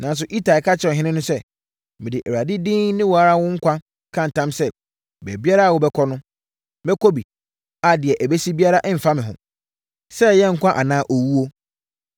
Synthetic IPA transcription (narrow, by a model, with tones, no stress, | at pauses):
nã˨n˦s̬ʊ˨ʔi˦ta˨kʰa˦t͡ɕʰɪ˦ɔ˨ɦɪ̃˦nɪ̃˦nʊ̃˦sɛ˦ | mɪ̃˨dɪ˨ʔɛ˨ɾa˨dɪ˦dĩː˦nɪ̃˦wɔ˨a˨ɾa˦wʊ̃˦ŋ̩˦kʷʰã˦ | kʰã˦n̩˨tʰã˦msɛ˦ | bɛ˨bi˦a˦ɾa˦a˨wɔ˦bɛ˦kʰɔ˦nʊ̃˦ | bɛ˦kʰo˦bi˨ | a˨dɪ˨ɛ˨ʔæ˨be˦si˦bi˦a˦ɾa˦ʔɛ˦m̩˨fa˦mɪ̃˨ɦʊ̰̃˨ | sɛ˦jɛ˦ŋ̩˨kʷʰã˦ʔa˨nãː˦ʔɔ˨wu˦wo˦